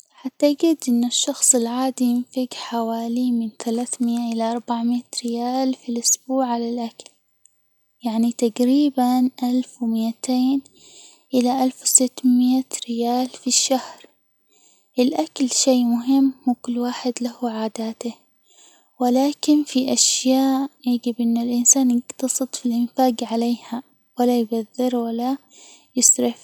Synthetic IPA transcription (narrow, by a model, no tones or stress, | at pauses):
ħat̪ːaɡɪd̪ʔɪnːʊʃːɑxsˤɪlʕaːd̪ijɪnfaɡħawaːlimɪnθalaːθmɪːaʔɪlaʔɑɾˤbaʕmɪt̪ɾɪjaːlfilʔʊsbuːʕʕalalʔakal | jaʕnit̪aɡɾiːbanʔalfwmɪʔat̪ʰeːn | ʔɪlaʔalfwsɪt̪ːmɪat̪ɾɪjaːlfiʃːahɾ | ʔɪlʔaklʃeːmʊɦɪmːhuːkʊlːwaːħɪd̪lahuʕaːd̪aːt̪a | wɪlaːkɪnfiʔaʃjaːʔjaɡɪbʔɪnːalʔɪnsaːnjɪɡt̪ɑsˤɨt̪ˤfilʔɪnfaːɡʕaleːha | walːajbaðːɪɾwalːa | jɪsɾɪf